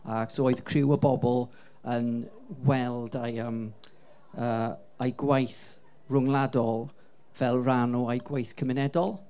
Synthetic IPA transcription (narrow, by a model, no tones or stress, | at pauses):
aksooɨðkʰrɪwəbɔbɔlˠ | ən | wɛlˠdajəm | ə | ajɡwajθ | rʊŋlˠadɔlˠ | v̥ɛlˠranɔajɡwajθkʰəmɪnɛdɔlˠ